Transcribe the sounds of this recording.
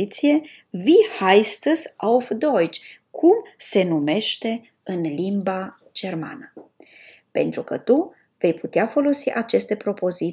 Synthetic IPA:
it̪sije̞ | vihajst̪əsawfd̪ojt͡ʃkʰumse̞nume̞ʃt̪e̞ | ɨnlimba | d͡ʒe̞rma̰nə | pe̞̰nt̪ɾukət̪u | ve̞jput̪eafo̞lo̞siʔat͡ʃe̞st̪e̞pɾo̞po̞zi

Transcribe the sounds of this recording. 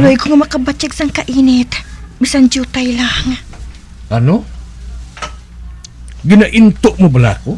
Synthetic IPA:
loiɡuŋamakabat͡ʃak̚saŋkaʔinet̪bisand͡ʒut̪ajlahŋa | anu | ɡinaʔint̪ʊʔmubəla̰ku

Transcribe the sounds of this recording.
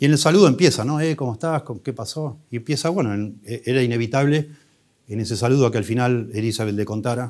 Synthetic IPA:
iene̞lsaluð̞oe̞mpje̞sano̞ekomoeht̪akokepaso̞iempjesaβwe̞noeneʔeɾaine̞βit̪aβle̞ | ene̞se̞saluð̞oakealfinalelisaβet̪leko̞nt̪aɾa

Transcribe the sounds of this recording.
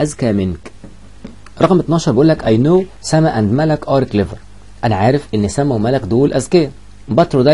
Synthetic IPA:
ʔæzkæmenk | ɾˤɑɣmʔet̪nɑːʃɑɾˤbeʔuːlːækʔæjnoːsæmæʔænd̪mælækʔɑːɾkleveɾ | ʔænæʕaːɾefʔenːsæmæwmælækd̪oːlʔæzkæjæ | bɑt̪ɾod̪æ

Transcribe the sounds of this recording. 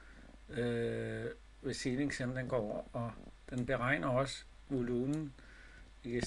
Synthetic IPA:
ø | ʋesineŋsemd̥enɡ̥ɒ̰ːɒd̥enb̥e̝ʁɑ̈ɪ̰nʔɐɒ̽s | ʋo̝luːmn̩ | i̥

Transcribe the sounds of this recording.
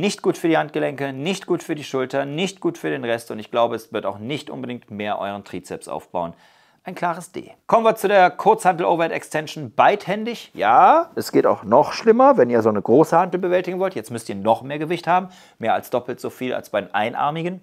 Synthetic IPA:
nɪçt̚ɡ̥uːtfyɐdiːhant̚ɡ̥əlɛŋkənɪçtɡ̥uːtfyːɐdiːʃʊltɐnɪçt̚ɡ̥uːtfyːɐɾeːnʁɛstʊntɪçɡ̥laʊbəɛsv̥ɪɐta̰ʊxnɪçtʔʊ̰nbədɪŋk̚tmeːɐʔɔ̰ʏʁ̞əntʁ̥iːt͡sɛ̰psʔa̰ʊfb̥a̰ʊən | ʔaɪnkʰl̥aːʁ̞əsd̥ḛːkʰɔmənviːɐt͡sudeːɐkʰʊɐt͡shandl̩ʔoːvɐtɛkstʰɛnʃn̩baɪthɛndɪçjaːʔɛsɡ̥eːta̰ʊxnɔχʃlɪmɐvɛniːɐzoːnəɡʁoːsəhandl̩bəvɛltɪɡŋ̩vɔltjɛt͡stmʏstiːɐnɔχmeːɐɡəvɪçthaːbm̩ | meːɐa̰lsd̥ɔpl̩tz̥oːfiːla̰lsb̥aɪdenʔa̰ɪnʔa̰ɐmɪɡən

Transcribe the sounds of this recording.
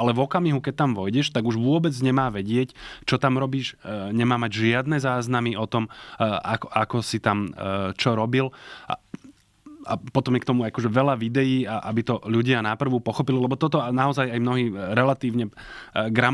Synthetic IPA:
alɛʋɔkamiɦukɛc̚t̪ːamʋɔjɟɛʃt̪aɡuʒʋʊɔbɛd͡zɲɛmaːʋɛɟɪɛct͡ʃɔt̪amɾɔbiːʃɲɛmaːmaɟʒɪad̪nɛzaːznamiʔɔt̪ɔmakɔakɔsit̪amt͡ʃɔɾɔbil | apɔt̪ɔmjɛkt̪ɔmuakɔʒɛʋɛlaʋid̪ɛjiːaʔa̰bit̪ɔʎuɟɪanapr̩ʋupɔxɔpililɛbɔt̪ɔt̪ɔnaɔzajajmnɔɦiːɾɛlat̪iːʊɲɛɡɾa

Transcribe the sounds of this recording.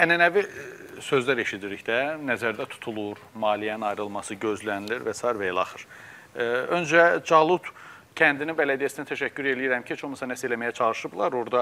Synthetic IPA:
ænænævi | sø̞zlæɾe̞ʃid̪iɾiçd̪ænæzæɾd̪æt̪ʰu̥t̪ʰulˠuɾmɑːlijæninɑjɾɯlˠmɑsɯɟø̞zlæniliɾvæsɑːiɾvæelɑχɯɾ̥ | ønd͡ʒæd͡ʒɑlˠut̪ | cʰænd̪ininbælæd̪ijæsinæt̪ʰæʃæcʰːyɾe̞lijiɾæmcʰit͡ʃʰoxmɯsɑnæselæmæjæt͡ʃʰɑlˠɯʃɯblˠɑɾoɾd̪ɑ

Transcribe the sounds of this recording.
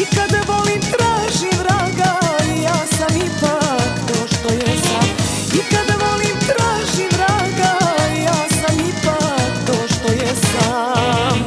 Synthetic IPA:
ikad̪aʋo̞limt̪ɾaːʒimɾaːɡaijaːsamipakt̪oːʃt̪ojɛst̪am | ikad̪aʋo̞limt̪ɾaːʒimːɾaɡaijaːsamipakt̪oːʃt̪o̞jɛst̪a | m

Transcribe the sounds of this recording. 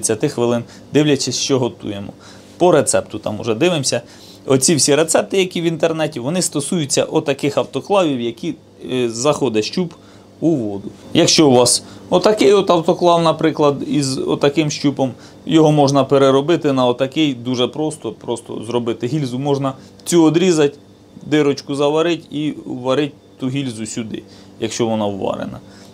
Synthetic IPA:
t͡sʲːɐt̪ɪxʋɪlˠɪn | d̪ɪwlʲɐt͡ʃɪsʲʃt͡ʃɔɦɔt̪ṵjemɔ̰ | pɔɾet̪sɛpt̪ʊt̪ɑ̰mʊ̰ʒɛd̪ɪʋɪmsʲɐ | ɔt͡sʲiwsʲiɾet̪sɛp̚t̪ɪjɐkʲiwint̪ernɛtʲiʋɔnɪst̪ɔsujʊt͡sʲːɐ̰ʔɔt̪ɐkɪxɐwt̪ɔklˠɑʋʲiwjɐkʲi | zɐxɔd̪ɛʃt͡ʃʲup | uʋɔd̪ʊjɐkʃt͡ʃɔʊʋɑsɔt̪ɐkɪjɔt̪ɐwt̪ɔklˠɑwnɐpɾɪklˠɐd̪izɔ̰t̪ɐkɪmʃt͡ʃʲupɔm | jɔɦɔmɔʒnɐpeɾeɾɔbɪt̪ɪnɐɔt̪ɐkɪjd̪uʒɛpɾɔst̪ɔpɾɔst̪ɔ̰zɾɔbɪt̪ɪɦilʲzʊmɔʒnɐ | t͡sʲuɔd̪ɾʲizɐtʲ | d̪ɪɾɔt͡ʃkʊzɐʋɐɾɪtʲiʋɐɾɪt̚ʲt̪uɦilʲzʊsʲʊd̪ɪ̰ | jɐkʃt͡ʃɔʋɔnɑwːɑ̰ɾḛnɐ̰

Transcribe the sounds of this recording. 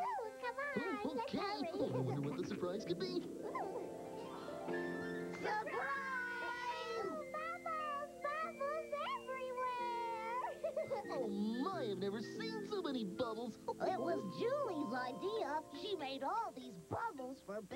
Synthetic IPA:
kʰʌ̃mokʰɛonõwʌ̃ndəwʌt̪̚ðəsə˞pʰɹ̥aɪz̥kɨd̚bi | sə˞pʰɹa | ɪzbʌbl̩ˠzbʌbl̩ˠzɛvvɹiwɛ | oʊmaɪɨvnɛvə˞sĩnsoʊmɛñibʌbl̩ˠz̥ʔɪt̚wʌzd͡ʒʉlˠizaɪdiəʃimeɪɾɔlˠðizbʌbl̩ˠz̥fə˞

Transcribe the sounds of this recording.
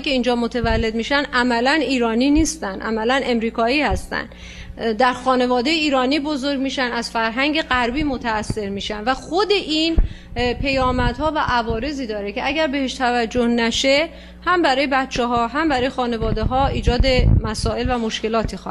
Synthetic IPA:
kʰe̞iːnd͡ʒɒːmot̪ʰevælːe̞d̪miːʃænʔæmælæniːɾɒːniːniːst̪ænd̪ʔæ̰mælænʔe̞mɾiːkʰɒːiːhæst̪æ̰nd̪ | d̪æɾxɒːne̞vɒːd̪e̞jeiːɾɒːniːbo̞zoɾɟmiːʃænæz̥fæɾɦæŋɟe̞ɣæɾbiːmot̪ʰæːsːe̞ɾmiːʃænvæxo̞d̪e̞ʔin | pʰe̞jɒːmæd̪̥hɒːvæʔævɒːɾe̞ziːd̪ɒːɾeceæɟæɾbe̞heʃt̪ʰævæd͡ʒːohnæʃe̞ | hæmbæɾɒːjebæt̪t͡ʃʰeɦɒːɦæmbæɾɒːjexɒːne̞vɒːd̪eɦɒːiːd͡ʒɒːd̪e̞mæsɒːe̞lvæmo̞ʃke̞lɒːt̪ʰix

